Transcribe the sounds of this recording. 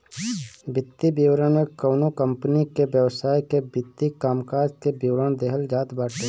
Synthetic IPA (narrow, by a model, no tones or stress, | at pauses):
bɪt̪ːibiwɾəɳmẽkoːnokəmpnikebjəwsaːikebɪt̪ːikaːmkaːɾd͡ʒkebiwɾəñd̪eɦəld͡ʒaːt̪baːʈʰe